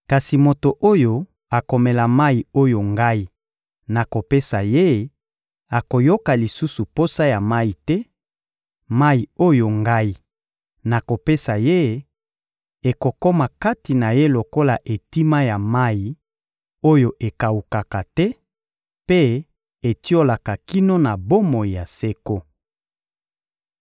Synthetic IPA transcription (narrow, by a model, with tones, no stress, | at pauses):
ka˨si˨mo˨to˨ʔo˦jo˦ | a˨ko˨me˨la˨ma˦i˨o˦jo˨ŋɡa˦i˦ | na˨ko˨pe˦sa˨je˦ | a˨ko˨jo˦ka˨li˨su˦su˨po˦sa˦ja˨ma˦i˨tɛ˦ | ma˦i˨o˦jo˨ŋɡa˦i˦ | na˨ko˨pe˦sa˨je˦ | e˨ko˨ko˦ma˨ka˦ti˨na˨je˦lo˨ko˦la˨ʔe˨ti˦ma˦ja˨ma˦i˨ | o˦jo˨ʔe˨ka˨wu˨ka˨ka˨tɛ˦ | pe˦ | e˨ti˦o˦la˨ka˨ki˦no˦na˨bo˦mo˨i˨ja˨se˦ko˦